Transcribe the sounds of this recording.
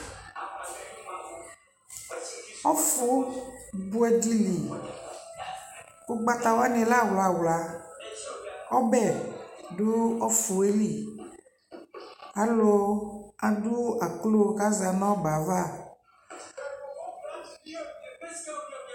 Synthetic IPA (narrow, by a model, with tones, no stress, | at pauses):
ɔ˦fu˦bu˦ɛ˦di˦li˨ | ku˦ɡ͡ba˦t̪a˨wa˦nẽ˨la˦˨wla˨wla˨ | ɔ˦bɛ˦˨du˦ɔ˦fu˨e˦li˦˨ | a˦lo˨a˨ɖu˦a˨klo˦ka˦za˨nɔ̃˦ɡ͡ba˨va˦˨